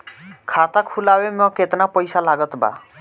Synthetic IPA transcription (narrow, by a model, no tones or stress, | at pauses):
kʰat̪akʰulawemɔ̃ket̪napɔjsalaɡɔt̪ba̰